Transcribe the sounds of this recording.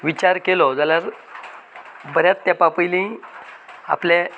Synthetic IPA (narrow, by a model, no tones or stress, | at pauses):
ʋit͡ɕaɾkelɔd͡zalaɾ | bəɾjat͡st̪japapəjlĩ | a̰plẽ